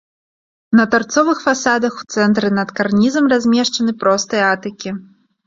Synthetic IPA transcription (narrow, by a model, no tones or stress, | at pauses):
nɐt̪art̪sɔvɨxfasad̪ɐxu̥t̪sɛnt̪ɾɨnɐt̪karnʲizɐmrazʲmʲɛʂt͡ʂɐnɨpɾɔst̪ɨjɐat̪ɨkʲi